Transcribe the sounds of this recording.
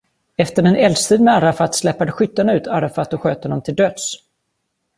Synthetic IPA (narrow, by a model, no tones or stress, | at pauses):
ɛft̪əɾɛnɛld̪st̪ʰiːd̪mɛaɾafat̪slɛpːad̪əɧʏt̪ːanaʉ̟ːt̪ʰaɾafat̪ːɔɧøːt̪hɔnɔmt̪ʰɪld̪øːd̪s